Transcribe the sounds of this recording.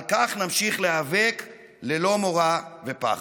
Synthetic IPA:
lkaχnamʃiχleavek | lelo̞mo̞ʁavepa̰χ

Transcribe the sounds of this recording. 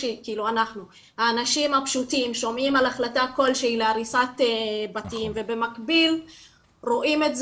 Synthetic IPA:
ekiiluanaχnu | haːnaʃimhapʃutimʃo̞mimalaχlatako̞lʃeileaʁisat̪ebatiimve̞be̞makbil | ʁo̞ʔime̞tz

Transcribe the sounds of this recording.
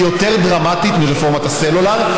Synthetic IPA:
jo̞t̪e̞ʁd̪ʁamat̪it̪miʁefo̞ʁmat̪aselulaʁ

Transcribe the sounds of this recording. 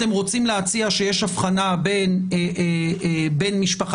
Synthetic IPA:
t̪e̞mʁo̞t͡simleat͡siaʃejeʃafχanabe̞n | be̞nmiʃpaχ

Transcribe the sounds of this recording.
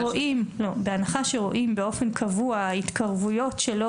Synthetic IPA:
oʔimlo̞beanaχaʃe̞ʁo̞ʔimbeo̞fe̞nkʰavuait̪kʰaʁvujo̞tʃelo

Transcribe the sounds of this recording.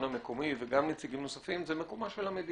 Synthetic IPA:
nameko̞miveɡamnit͡siɡimno̞safimzemeko̞maʃelamed̪i

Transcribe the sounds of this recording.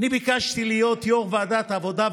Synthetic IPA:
nibikaʃt̪ilijo̞t̪jo̞ʁvead̪at̪avo̞d̪av

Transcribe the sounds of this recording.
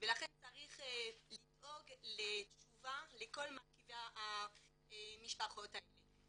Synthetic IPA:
velaχent͡saʁiχlidoɡlet͡ʃuvaleko̞lmakivaa | miʃpaχo̞taele

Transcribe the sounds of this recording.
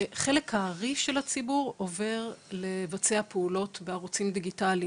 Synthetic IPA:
χe̞lekhaʁiʃe̞lat͡sibuʁo̞ve̞ʁle̞vat͡seapeulo̞tbeaʁut͡simd̪iɡitali

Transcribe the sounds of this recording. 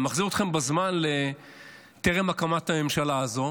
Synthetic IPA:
maχziʁot̪χe̞mbazmanle | t̪eʁemakamat̪hame̞mʃalaːzo̞

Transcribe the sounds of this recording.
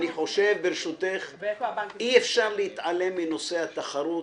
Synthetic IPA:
niħo̞ʃe̞vbeɾeʃut̪eχʔiefʃaʁleit̪ʕale̞mːino̞se̞hat̪aχaɾut

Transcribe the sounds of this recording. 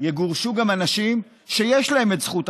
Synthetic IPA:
jeɡuʁʃuɡamanaʃim | ʃe̞jeʃlahe̞metzχut

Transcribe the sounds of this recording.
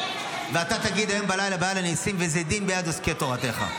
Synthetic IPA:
veat̪at̪aɡid̪hajo̞mbalajlabeajlanisimvezed̪imbejad̪osket̪o̞ʁat̪e̞χa̰

